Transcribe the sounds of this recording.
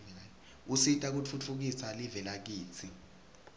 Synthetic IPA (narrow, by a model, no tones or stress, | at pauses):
usitʼak̬ut͡fʰut͡fʰuk̬isalivɛlak̬iːt͡sʰi